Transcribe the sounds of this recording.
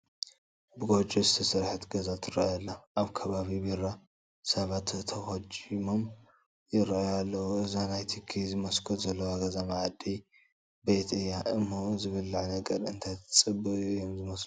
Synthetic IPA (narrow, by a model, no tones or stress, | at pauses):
bɨɡo̞d͡ʒozɨt̪ʰɐsɨɾħɨt̪ɡɐzat̪ʰɨɾɐ̰jɐlːaʔaβkʰɐβaβiβiɾa | sɐβat̪t̪ʰːɐxod͡ʒimom | jɪɾɐʔjalːɐwuɨzanajt̪ʰikʰizɨmɐskʰot̪zɐlːɐwaɡɐzamaʕd̪i | bet̪ɨjːaʔɨmːozɨβɨlːʕnɐɡɐɾɨnt̪ʰajt̪ʰt͡sʼɨbːɨjomzɨmɐslu